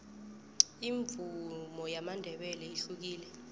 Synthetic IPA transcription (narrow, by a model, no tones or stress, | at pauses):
iɱvumɔjamandʱɛɓɛlɛiɬuk̬iːlɛ